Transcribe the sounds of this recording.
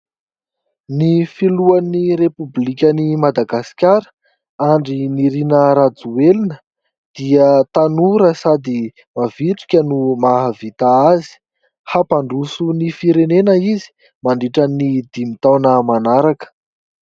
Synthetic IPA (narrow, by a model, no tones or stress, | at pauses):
nifiluaniɾepublikʲənimad̪aɡasi̥kʲaɾə̥ | aɳɖ͡ʐiniɾinəɾad͡zuelinə | d̪̥iət̪anuɾəsad̪i | maviʈ͡ʂi̥kʲənumaɦavit̪aazi̥ | hapaɳɖ͡ʐusunifiɾenenəizi̥ | maɳɖ͡ʐiʈ͡ʂənid̪imit̪awnəmanaɾakə̥